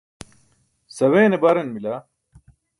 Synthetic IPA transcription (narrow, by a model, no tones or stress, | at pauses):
sɐweːnebɐɾenmila